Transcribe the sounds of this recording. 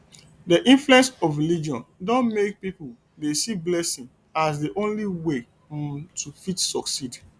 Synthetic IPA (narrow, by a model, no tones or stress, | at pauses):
dəʔĩnfluɛ̃nsɔfɹilid͡ʒiɔ̃ndɔ̃nmek̚pipul | desiblɛsĩŋ | as̬diʔõnliwe | tʰufitsɔksid